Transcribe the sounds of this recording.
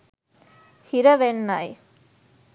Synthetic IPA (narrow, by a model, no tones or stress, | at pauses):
hiɾɐʋenːaj